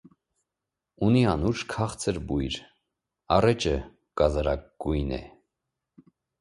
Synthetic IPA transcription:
uniɑnuʃkʰɑχt͡sʰəɾbujɾ | ɑrɛt͡ʃə | kɑzɑɾɑɡujnɛ̰

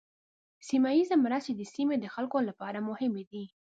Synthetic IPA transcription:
simajizemɾased̪əsimed̪əxalkolapɑɾamʊhɪmed̪i

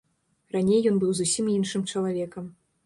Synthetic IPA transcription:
ranʲejːɔnbɨwzusʲiminʂɨmt͡ʂɐlˠavʲɛkɐm

